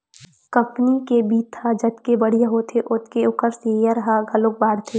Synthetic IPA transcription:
kɐ̃mpnikebiːt̪ʰːad͡ʒɐt̪kebɐɽ̤ijaɦot̪ʰeʔʊt̪keʊkəɾsejaɾɐɦaɡʱɐlok̚baːɽt̪ʰeː

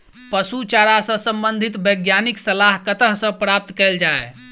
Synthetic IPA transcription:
pəsut͡ʃaɾasə̃səmbənd̪ʱit̪bəɡjaniksəlaɦkət̪əɦsə̃pɾap̚t̪kɛld͡ʒae

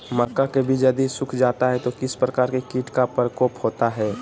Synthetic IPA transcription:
mɐkːakebʱid͡ʒɐd̪isʊkʰd͡ʒaːt̪aɦɛt̪okɪspɾɐkaːɾkekiːʈkapəɾkoːphoːt̪aɦɛː

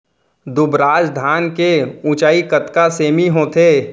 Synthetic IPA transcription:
d̪ʊbɾaːd͡ʒd̪ʱaːnkeũt͡ʃaːikət̪kaseːmiɦõːt̪ʰeː

